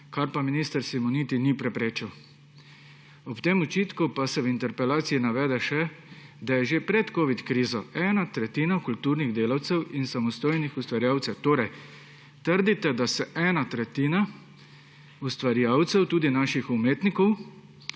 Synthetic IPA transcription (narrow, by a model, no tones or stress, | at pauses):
kaɾpaminiːst̪əɾsimɔniːt̪inipɾɛpɾeːt͡ʃiw | ɔpt̪eːmɔt͡ʃiːt̪kupasɛwint̪ɛɾpɛlaːt̪siinaʋɛːd̪ɛʃɛd̪ajɛʒepɾɛt̪koːʋit̪kɾiːzɔɛːnat̪ɾɛt̪iːnakult̪uɾniɣd̪eːlawt̪sɛwinsamɔst̪oːjnixust̪ʋaɾjaːwt̪sɛwt̪oːɾɐj | t̪əɾd̪it̪ɛd̪asɛʔɛːnat̪ɾɛt̪iːna | ust̪ʋaɾjaːwt̪sɛwt̪uːd̪inaːʃixumeːt̪nikɔw